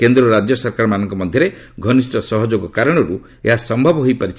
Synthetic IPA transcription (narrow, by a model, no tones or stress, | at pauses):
kend̪ɾɔɾad͡ʒjɔsɔɾkaɾɔmanɔŋkɔmɔd̪ʱjɔɾe | ɡʱɔnisʈɔsɔɦɔd͡ʒoɡɔkaɾɔɽ̃ɔɾu | eɦasɔmbʱɔbɔɦojpaɾit͡ʃʰ